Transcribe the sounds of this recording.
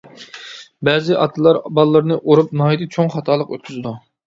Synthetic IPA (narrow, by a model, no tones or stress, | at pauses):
bɛzɪʔɑ̰t̪ʰɨlˠɑɾbɑlˠːəɾnɨʔoɾup̚nɑːid̪ɨt͡ʃʰoŋχɑt̪ʰɑːlˠəqøt̪̚kʲʰyzɨd̪u